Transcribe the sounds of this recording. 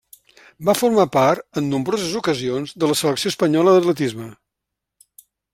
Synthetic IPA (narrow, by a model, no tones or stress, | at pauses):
bafurmapaɾt̪ənːumbɾozəzukəzionzðələsələksioəspəɲɔləðət̪lət̪izmə